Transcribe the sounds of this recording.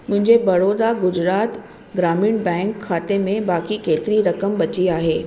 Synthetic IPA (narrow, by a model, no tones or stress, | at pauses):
mʊ̃ɦɪ̃ɲd͡ʑebɐɾoːd̪aɡʊd͡ʑɾaːt̪ | ɡɾaːmiːɳbɛ̃ːŋkʰːaːt̪emẽbaːkikeːt̪ɪɾiɾɐkəmbɐt͡ɕiaːɦeː